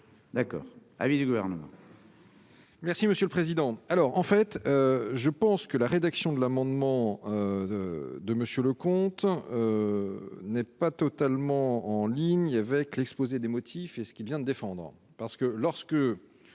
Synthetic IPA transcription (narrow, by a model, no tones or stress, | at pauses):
d̪akɔ̰ːʁa̰vid̪yɡuvɛʁnəmɑ̰̃ | mɛʁsiməsjøləpχezid̪ɑ̃alɔʁɑ̃fɛt̪øʒəpɑ̃skəlaʁed̪aksjɔ̃d̪əlamɑ̃d̪mɑ̃ø | d̪əməsjøləkɔ̃t̪ | nɛpat̪ɔt̪almɑ̃ɑ̃liɲavɛklɛkspozed̪emɔt̪ʰifesə̥kʲilvjɛ̃d̪əd̪efɑ̃d̪ʁ | paʁsə̥kəlɔʁsə̥kə